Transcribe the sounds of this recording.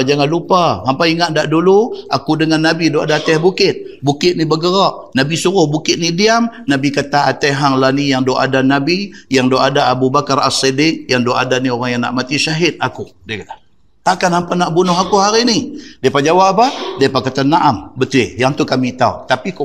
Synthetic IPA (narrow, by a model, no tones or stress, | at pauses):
d͡ʒaŋanlupaɦampaiŋaʔdaʔduluakudəŋanːabidoʔadaːt̪ɛhbukɪt̪̚bukɪt̪̚nibəɡəɾɔʔ | nabisuɾʊhbukɪt̪̚nidiamnabikat̪aat̪ɛɦaŋlanijaŋdoʔa̰danabijaŋdoʔadaːbubakara̰sedɪk̚jaŋdoʔa̰danioɾaŋjaŋna̰ʔmat̪iʃaɦɪt̪̚akudiakat̪a | t̪aʔkanhampanaʔbunʊɦakuɦaɾinidiapad͡ʒawaʔpadiapakat̪anːaʔambət̪uwɪjaŋt̪ukamit̪aut̪apik